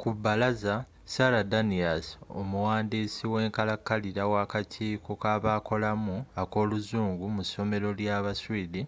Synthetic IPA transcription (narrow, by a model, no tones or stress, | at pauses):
kubːalaza | saladaniaso̞̰muwaːndiːsiwe̞ːŋkalakːaliɾawaːkatʰiːkokaːβako̞lamuako̞ːluzuːŋɡumuso̞me̞ɾo̞ljaβaswiːdi